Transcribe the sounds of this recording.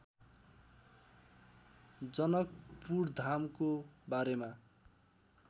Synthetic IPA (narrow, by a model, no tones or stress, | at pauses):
d͡zʌnʌk̚purd̪ʱamkobaɾema